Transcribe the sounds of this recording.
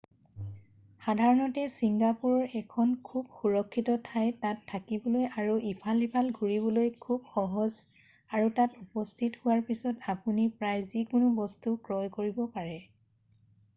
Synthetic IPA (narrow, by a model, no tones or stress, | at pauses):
xadʱaɹɔnɔtɛsiŋɡapuɹɔɹɛkʰɔnkʰub̚xuɹɔkʰːitɔtʰajtatʰːakibɔlojaɹuipʰalipʰalɡʱuɹibɔlojkʰub̚xɔɦɔz | aɹutatupɔstʰithʊwaɹpisɔtapunipɹajzikʊnʊbɔstukɹɔjkoɹibɔpaɹɛ